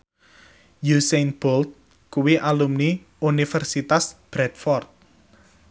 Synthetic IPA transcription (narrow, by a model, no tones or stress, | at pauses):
jusenb̥ɔlt̪̚ | kuwiʔalumni | unifɛrsit̪asb̥ɾɛt̪̚fɔrt̪̚